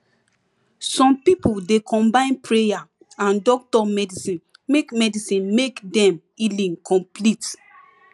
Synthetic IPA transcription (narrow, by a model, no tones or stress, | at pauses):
sɔ̃mpipudekʰɔ̃mbãɪ̃npɹeja | ãndɔk̚tɔmɛdisĩn | mekmɛdisĩnmekdɛ̃m | ilĩnkʰɔ̃mplit